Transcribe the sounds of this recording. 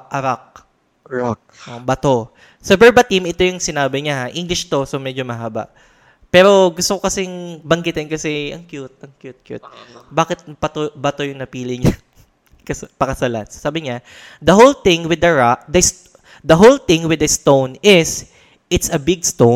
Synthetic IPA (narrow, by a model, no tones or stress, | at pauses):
ʔɐɾak̚ | ɹak̚ | ʔobɐt̪o̞ | sɐbɛɹbɐt̪imɪt̪o̞jʊŋsɪnaːbɪɲahaʔiŋɡlɪʃt̪o̞somɛd͡ʒomɐɦaːba̰ʔ | pɛːɾo̞ɡʊst̪okokɐsɪŋbɐŋɡɪt̪ɪnkɐsɛʔɐŋkjʊt̪̚ʔɐŋkjut̪̚kjṵt̪̚baːkɪt̪̚pɐt̪obɐt̪o̞jʊŋnɐpiːlɪɲɐ | kɐspɐkɐsɐla̰t̪ssaːbɪɲad̪ɐɦowlt̪ɪ̃ŋwɪd̪ɐɹak̚d̪ɐst | d̪ɐɦowlt̪ɪŋwɪd̪ɐst̪ownɪs | ʔɪt̪sɐbɪɡ̚st̪o